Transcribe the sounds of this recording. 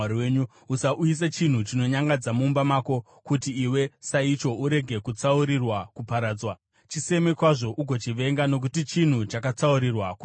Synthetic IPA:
ɾweːɲu | usaʔuis̬et͡ʃin̤ut͡ʃino̞ɲaŋɡad͡zamuːmbamaːko̞ | kutiːwe̞sait͡ʃo̞uɾe̞ɡʱe̞kut͡sauɾirwakupaɾaːd͡zwa | t͡ʃise̞mekwaʐo̞ʔuɡʱo̞t͡ʃiʋe̞ŋɡano̞k̬utit͡ʃin̤ut͡ʃakat͡sauɾirwaku

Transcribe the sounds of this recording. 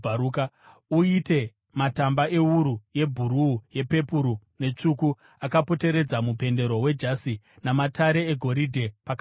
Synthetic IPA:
auka | uite̞ | matambaʔe̞uɾuje̞bʱuɾuːje̞pe̞puɾu | ne̞t͡ʂuku | akapo̞te̞ɾe̞d͡zamupe̞nde̞ɾo̞we̞d͡ʒasi | namatʰaɾe̞eɡʱo̞ɾidʱe̞paka

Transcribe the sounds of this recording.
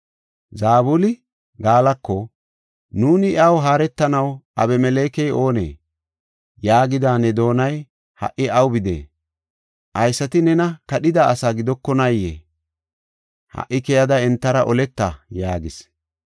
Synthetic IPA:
zaːbʊlɪ | ɡaːlɐkːɔ | nuːnɪɪɐwɦaːɾɛt̪ːɐnɐwʔɐ̰bɛmɛleːkɛjo̞ːnḛː | jaːɡɪd̪aːnːɛd̪o̞ːnɐj | hɐ̰ʔɪɐwbɪd̪ḛː | ʔɐjsːɐt̪ɪnɛnɐkɐɗɪd̪aːsaːɡɪd̪ɔkːɔnɐjːḛː | hɐ̰ʔːɪkɛjɐd̪ɐɛnt̪ːɐɾɐʔɔlɛt̪ːɐjaːɡɪs

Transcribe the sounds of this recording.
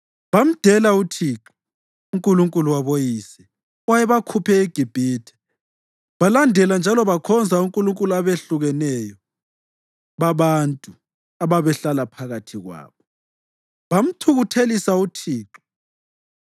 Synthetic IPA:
βam̩d̥ʱɛlautʰiǁɔ | uŋkʼuluŋkʼuluwaβojisɛ | wajɛβakʰupʰɛeɡ̥ʱib̥ʱiːtʰɛ̥ | βalandʱɛland͡ʒʱalɔβakʰɔnd͡zʱauŋkʼuluŋkʼuluaβeɬuɣɛnɛjɔ | βaβantʼu | aβaβɛɬalapʰaɣatʰiɣwa̰ːβɔ | βam̩tʰuɣutʰelisautʰiːǁɔ

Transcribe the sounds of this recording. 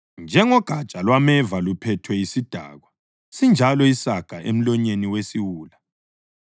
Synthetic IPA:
nd͡ʒʱɛŋɔɡ̥ʱat͡ʃʼalwamɛvalupʰɛtʰwɛisid̥ʱa̰ːɣwa | sind͡ʒʱalɔisaɡ̥ʱaʔḛm̩lɔɲeniwesiwuːla

